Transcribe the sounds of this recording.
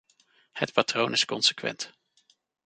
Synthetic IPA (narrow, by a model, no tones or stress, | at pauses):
hətpatrownɪskɔnsə̥kʋɛ̰nt